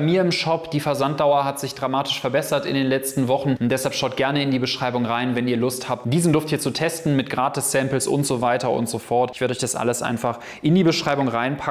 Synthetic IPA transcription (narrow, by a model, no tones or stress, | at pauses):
miːɐɪmʃɔpd̥iːfɛɐzant̚d̥aʊɐɦatz̥ɪçd̥ʁamaːtɪ̥ʃfɛɐbɛsɐtɪ̰ndeːnlɛt͡stn̩vɔχn̩nd̥ɛshalpʃaʊt̚ɡ̥ɛɐnəɪndiːbəʃʁ̥aɪbʊŋʁaɪnvɛniːɐlʊsthaːp̚td̥iːzn̩dʊɐftiːɐt͡sutʰɛstn̩mɪtɡ̥ʁaːtɪssɛmpl̩sʔʊ̰ntz̥ovaɪtɐʔʊ̰ntz̥ofɔɐtɪçv̥eɐɾəɔçd̥asʔa̰ləsʔa̰ɪnfaχ | ʔɪndiːbəʃʁ̥aɪbʊŋʁaɪnpʰa